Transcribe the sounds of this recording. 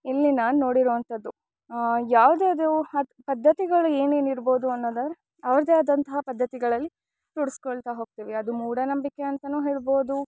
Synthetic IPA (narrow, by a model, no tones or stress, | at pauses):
ilːinaːnno̞ːɽiɾoːɐnt̪ɐd̪ːu | jaːʋd̪eːɐd̪euɐpɐd̪ʱːɐt̪iɡɐɭueːneniɾbo̞ːd̪uɐnːoːd̪ɐɾ | ɐʋɐɾɐd̪eːaːd̪ɐnt̪ɐɦɐpɐd̪ʱːɐt̪iɡɐɭɐlːi | t̪uɽiskoɭt̪aɦo̞ːɡ̚t̪iːʋeɐd̪umuːɽɐnɐmbikːeɐnt̪ɐnuːɦeːɭbo̞ːd̪u